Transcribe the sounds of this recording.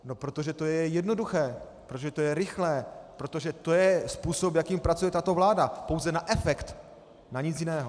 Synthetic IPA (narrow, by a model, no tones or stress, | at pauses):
no̞pɾo̞t̪o̞ʒɛt̪o̞jɛjɛdno̞duxɛːpɾot̪oʒɛt̪ojɛɾɪxlɛːpɾo̞t̪o̞ʒɛt̪o̞jɛspuːso̞pjakiːmpɾat͡sujɛt̪at̪o̞vlaːdapo̞wzɛnaʔɛfɛkt̪ | naɲɪt͡sjɪnɛːɦo